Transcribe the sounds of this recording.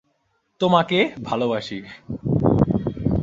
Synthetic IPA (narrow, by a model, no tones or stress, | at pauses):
t̪omakebʱalobaʃi